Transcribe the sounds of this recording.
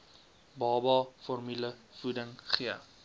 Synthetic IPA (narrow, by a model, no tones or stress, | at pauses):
bɑːbɑːfɔrmyləfudəŋχiə